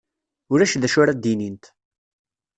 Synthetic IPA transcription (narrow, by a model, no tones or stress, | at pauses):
ʊɾæʃðæʃʊɾæd̪inint̪